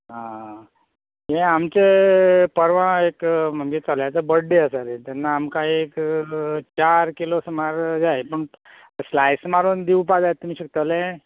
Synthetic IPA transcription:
ɦã | ɦẽamt͡sepəɾʋãekm̤əŋɡet͡səljat͡səbəɽɖeəsaɾet̪anːaːmkaek | t͡ɕaɾkilosmaɾd͡zajpəɳ | slajsmaɾund̪iup̬ad͡zajt̪ːumiːɕəkt̪əle

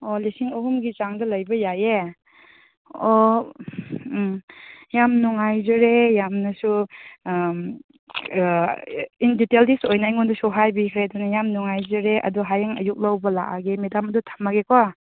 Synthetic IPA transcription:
ɔlisiŋɐhumɡit͡ʃaŋdɐlɐjbɐjaje | ɔ | jamnuŋajzɔɾejamnɐsu | inditeldisojnajŋɔndɐsuɦajbikʰɾadunajamnuŋajzɯɾeʔɐ̰duɦajaŋɐ̰juk̚lawbɐla̰ʔaɡemedamɐdutʰḁmaɡekʰɔ

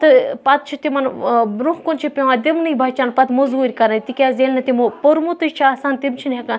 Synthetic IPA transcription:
t̪ɨpɐt̪̚t͡ʃʰit̪imɐnɾukont͡ʃʰipʲeʋãːd̪ʲimnɨibʱɐt͡ʃaːnpɐt̪mozuːɾʲkɐɾɐt̪ikʲaːzeːlnɐt̪imupoɾmut̪ɨt͡ʃʰaːsaːnt̪imt͡ʃʰinɦɐkan

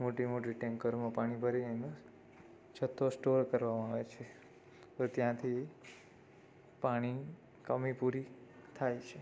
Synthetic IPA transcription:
moʈimoʈ̬iʈɛ̃ŋkəɾmãpaɽ̃ibʱəɾinenõ | d͡ʒʰət̪ːosʈoɾkəɾʋamãaʋet͡ʃʰe | t̪ot̪jãt̪ʰi | paɽ̃i | kəmipuɾit̪ʰajt͡ʃʰe

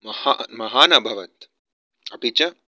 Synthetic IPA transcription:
mɐhamɐɦaːnɐbʱɐʋɐt̪̚ | ɐpit͡ʃɐ

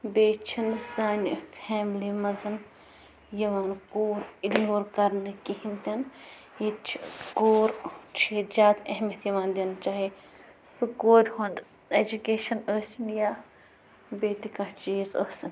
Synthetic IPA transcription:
beːt͡ʃʰinsaːnʲfʰɛːmlimɐnzɨn | jɐʋaːnkoːɾiɡnoːɾkɐɾnɨkihint̪ʲɐn | jit͡ʃʰikoːɾt͡ʃʰiːzʲaːd̪ɐɦmʲjɐt̪jɐʋaːnd̪ʲint͡ʃaːɦi | sɨkoːɾʲhoːnd̪ | ed͡ʒukeːʃɐnoːsinjaː | beːt̪ikɐ̃t͡ʃiːzo̰ːsin

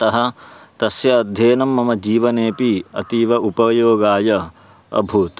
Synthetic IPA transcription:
t̪ɐɦɐ | t̪ɐsjɐːd̪ʱjeːnɐmːɐmɐd͡ʒiːʋɐneːpiɐ̰t̪iːʋɐʔupɐjoːɡaːjɐ | ɐ̰bʱuːt̪

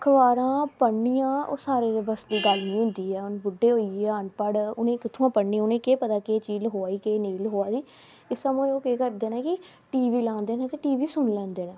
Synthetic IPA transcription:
kʰəʋaːɾãːpəɳːijãːo̰ːsaːɾeːd̪ebəsd̪iːɡəlnĩːɦʊ̃nd̪iːɦɛːʊnbʊɖːeːɦoːieaːɳpəɽʊnẽːkɪt̪ʰːõãːpəːiːʊnẽːkeːpət̪aːkeːt͡ʃiːlɦoːaːiːkeːniːlɦoːaːdiː | ɪsəmõːoːkeːkəɾd̪eːnãːkɪ | ʈiːʋiːlãːnd̪eːnɛ̃ːt̪eːʈiːʋiːsʊnlɛ̃ːnd̪eːnẽː

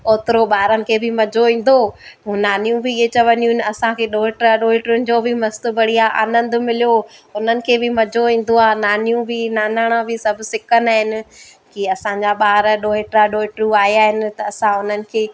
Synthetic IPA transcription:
oːt̪ɪɾoɓaːɾənɪ̆kʰeːbɪmɐd͡ʑʱoĩːn̆d̪oũːnaːnijũbɪet͡ɕɐʋənijũɦɪnɪɐsãkʰeːɗoːɦeʈɾaɗoːɪʈʊnɪ̆d͡ʑobʱɪmɐst̪ʊbɐɽ̤ijaʔa̰ːnə̃nd̪mɪlijoʊn̤ənɪ̆kʰeːbɪmɐd͡ʑʱoĩːn̆d̪oaːnaːnijũbʱɪnaːnaːɽ̃ãbʱɪsɐbʱʊsɪkənaːɦɪnɪ̆ | kiɐsãɲd͡ʑaɓaːɾɗoːɦeʈɾaɗoːɪʈɾuaːiaːɦɪnɪ̆t̪ɐːsãʊn̤ənɪ̆kʰeː

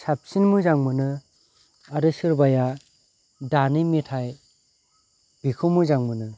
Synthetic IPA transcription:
sap̚sinmuzaŋmɯnɯ | aɾɯsɯɾbaja | danimitʰaj | bikʰɯmuzaŋmɯnɯ

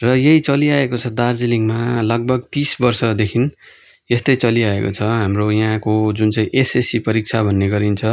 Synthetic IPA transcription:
rʌjeɦit͡sʌliaekot͡sʰʌd̪ard͡ziliŋɡmalʌɡ̚bʱʌɡt̪isbʌrsʌd̪ekʰin | est̪ʌjt͡sʌliaeko̰t͡sʰʌɦamrojaɦãkod͡zunt͡sʌĩʔesesipʌɾik̚t͡sʰabʱʌnːeɡʌɾint͡sʰʌ

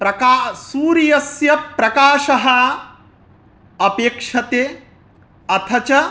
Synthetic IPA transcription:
pɾɐkaːsuːɾijɐsjɐpːɾɐkaːʂɐɦɐ | ɐpeːkʂɐt̪e | ɐt̪ʰɐt͡ʃɐ

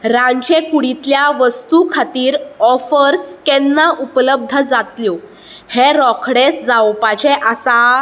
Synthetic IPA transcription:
ɾãɲt͡ɕekuɽit̪ljaʋəst̪ukʰat̪iːɾɔfəɾskɛnːaʔupləb̚d̪ʱəd͡zat̪ljɔ | heɾɔkʰɽesd͡zawpat͡ɕeʔəsa

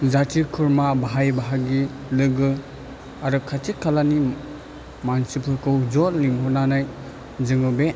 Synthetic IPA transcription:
zatʰikʰɯɾmabaɦajbaɦaɡi | lɯɡɯ | aɾɯkʰatʰikʰalani | mansiplɯkɯwd͡ʒɔlniŋɦɔnanaj | zɯŋɯbe

